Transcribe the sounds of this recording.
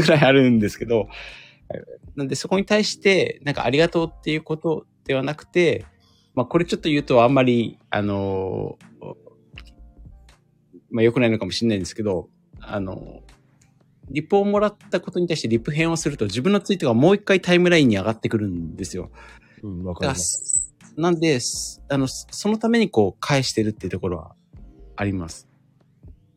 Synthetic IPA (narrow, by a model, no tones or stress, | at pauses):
ɡɯ̟ɾaiaɾɯ̟̃nd̪e̞sɨ̥ke̞d̪o̞ | nãnd̪e̞so̞ko̞ɲ̟it̪aiɕi̥t̪e̞nãŋka̰aɾʲiɡat̪o̞ːt̪ːe̞jɯ̟ːko̞t̪o̞d̪̥e̞βanakɯ̟̥t̪e̞ | mako̞ɾe̞t͡ɕo̞t̪ːo̞jɯ̟ːt̪o̞amːaɾʲia̰no̞ | majo̞kɯ̟naino̞kamo̞ɕiɲnːaĩd̪e̞sɨ̥ke̞d̪o̞ | a̰no̞̰ | ɾʲipːo̞ːmo̞ɾat̪ːako̞t̪o̞ɲ̟it̪aiɕit̪e̞ɾʲipːɯ̟ɦẽ̞ɰ̃o̞sɨɾɯ̟t̪o̞ʑibɯ̃nːo̞t͡sɨit̪oɡamo̞ːikːait̪aimɯ̟ɾaĩɲ̟ːiaɡat̪ːe̞kɯ̟ɾɯ̟̃nd̪e̞sɨjo̞̰ | ka | nãnd̪e̞sano̞so̞no̞t̪ame̞ɲ̟iko̞ːkʰaeɕi̥t̪e̞ɾɯ̟t̪ːe̞iɯ̟t̪o̞ko̞ɾo̞ɡa̰ː | ɾʲimasɨ̥